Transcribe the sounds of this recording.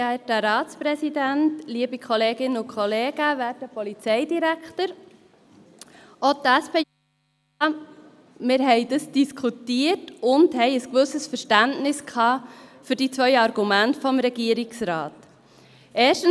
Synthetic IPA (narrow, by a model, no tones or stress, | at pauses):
æːtəɾɑːt͡spɾɛsidæntliəbikʰɔleːɡɪnəʊkʰχɔleːɡ̥əvæːɾdəpɔlit͡sɛɪdiɾæktəɾ | otæspʰeː | mɪɾɦɛɪdəsd̥iskʰutiətʊndhɛɪəskʋɵsəsfəɾʃtæntnɪskʰhɑːfyɾdit͡sʋœʏɑɾɡ̥umæntfɔmɾɛɡ̥iəɾiksɾɑːt | ʔeːʃtən